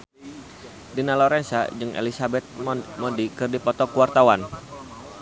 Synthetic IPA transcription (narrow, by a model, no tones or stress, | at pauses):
dinalɔɾɛnsa̰d͡ʒɨŋʔḛlisabɛt̪̚mɔdikɨrdipɔt̪ɔkuwart̪awan